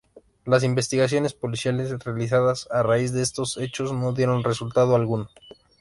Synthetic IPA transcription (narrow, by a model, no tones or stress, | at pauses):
las̬imbe̞st̪iɣas̬jo̞ne̞spo̞lisjale̞srealis̬aðasaraizðeest̪o̞se̞t͡ʃo̞zno̞ðjeɾo̞nre̞sult̪að̞oalɣuno